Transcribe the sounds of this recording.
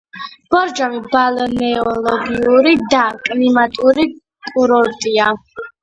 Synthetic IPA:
b̥ɔɾd͡ʒamibalɔnɛɔlɔɡiuɾid̪akʼnimat̪ʼuɾi | kʼuɾɔɾt̪ʼia

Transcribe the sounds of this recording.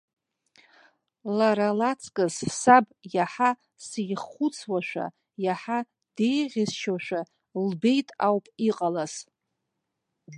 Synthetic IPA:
laɾalat͡sʼʰkʼɨzsabjaħa | sijχut͡sʰwaʃᶣʷa̰ | jaħa | d̥e̞jʁʲɪzʃaʃʷᶣa | lbe̞jtʼawpʼiqʼalaz̥

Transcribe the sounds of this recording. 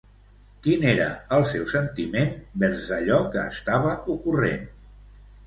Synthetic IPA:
kineɾə̰əlˠsɛwsənt̪imenbɛɾzəʎɔkəːst̪aβ̞əʔukurḛn

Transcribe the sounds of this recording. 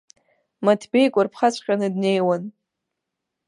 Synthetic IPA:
matʰbe̞jkʷʼarpʰχat͡ɕʷʰʼχʲʼanɨdne̞jwan

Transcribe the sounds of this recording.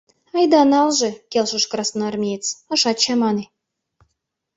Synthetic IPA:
ɑjd̪ɑnɑlʒĕkʲelʃə̆ʃkrɑsnɑɑrmʲejt͡sə̆ʃɑt̪t͡ɕɑmɑne

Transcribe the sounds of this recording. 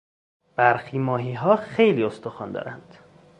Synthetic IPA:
b̥æɾxiːmɒːɦiːɦɒːxe̞jliːo̞st̪oxɒ̰ːnd̪ɒ̰ːɾænd̪̥

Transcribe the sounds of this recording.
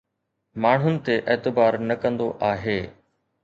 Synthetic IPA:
maːɳ̤ʊnɪ̆t̪eʔɛːt̪ɪbaːɾnɐkɐ̃nd̪oʔaːɦeː

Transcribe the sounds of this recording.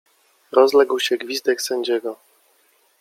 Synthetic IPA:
ɾɔzlɛɡwɕɛɡvʲizd̪ɛksɛɲd͡ʑɛɡɔ

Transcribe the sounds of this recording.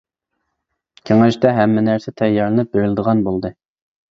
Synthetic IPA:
kʲʰeŋæʃt̪ɛɦæmːɛnæɾsɛt̪ʰɛjːɑɾlˠɨnɪp̚beɾɪlɪd̪əʁɑnbolˠd̪ɨ

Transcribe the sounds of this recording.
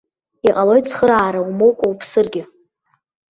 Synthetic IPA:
iqʼalo̞jtsχəɾaːɾaumowkʷʼawpʰsɨrɡʲɪ

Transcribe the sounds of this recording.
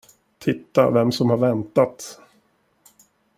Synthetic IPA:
t̪ʰɪt̪ːa̰vɛmsɔmhaɾvɛnt̪at̪

